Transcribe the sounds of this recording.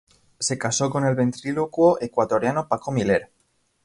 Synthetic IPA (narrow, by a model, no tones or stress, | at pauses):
se̞kaso̞ko̞ne̞lβe̞nt̪ɾilokwoʔekwat̪o̞ɾjanopakomile̞ɾ